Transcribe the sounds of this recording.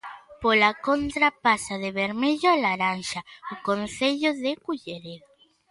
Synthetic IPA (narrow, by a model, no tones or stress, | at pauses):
polakont̪ɾapasaðeβeɾmeʎʊalaɾanʃaokonθeʎʊðekuʎeɾeða